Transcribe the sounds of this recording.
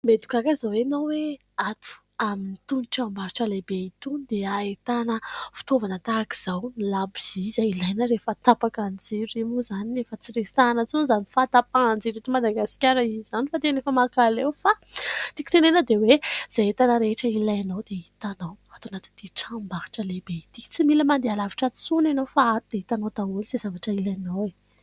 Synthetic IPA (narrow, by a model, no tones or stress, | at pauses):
med̪u̥kakazawenawwe | at̪u̥ | aminit̪unʈ͡ʂambaɾʈ͡ʂəlebeit̪und̪eaet̪anəfi̥t̪ovanət̪aki̥z̥awnilabiz̥izailajnəɾefət̪apakand͡zeɾuimuzaniefət͡siɾesanət͡sunzanifat̪apand͡zeɾit̪umad̪aɡasi̥kʲaɾaiizanifat̪enefəmakalewfat̪iku̥t̪enenəd̪ewez̥ajet̪anəɾeʈ͡ʂəilajanawd̪eit̪anawat̪anat̪i̥t̪iʈ͡ʂambaɦḁʈ͡ʂəlebeit̪i̥t͡similəmand̪ealaviʈ͡ʂat͡sunanowfaat̪ud̪̥eit̪anot̪aulzezavaʈ͡ʂəilajnawe